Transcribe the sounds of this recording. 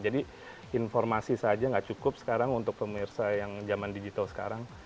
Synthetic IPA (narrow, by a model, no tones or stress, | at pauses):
d͡ʒadi | infɔrmasisad͡ʒaŋɡaʔt͡ʃukʊp̚sə̥kaɾaŋunt̪ʊk̚pəmirsajaŋd͡ʒamandid͡ʒit̪alsə̥ka̰ɾaŋ